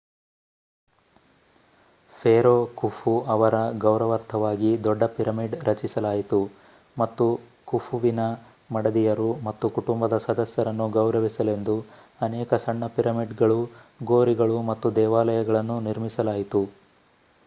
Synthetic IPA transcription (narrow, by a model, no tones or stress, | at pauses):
pʰeːɾoːkufuɐʋɐɾɐɡɐwɾɐʋɐɾt̪ʰɐʋaːɡid̪ɔɖːɐpiɾɐmiɖɾɐt͡ʃisɐlaːjit̪u | mɐt̪ːu | kufuʋinɐ | mɐɽɐd̪ijɐɾumɐt̪ːukuʈumbɐd̪ɐsɐd̪ɐsjɐɾɐnːuɡɐwɾɐʋisɐle̞nd̪u | ɐnɛːkɐsɐɳːɐpiɾɐmiɖɡɐɭuɡoːɾiɡɐɭumɐt̪ːud̪ɛːʋaːlɐjɐɡɐɭɐnːuniɾmisɐlaːjit̪u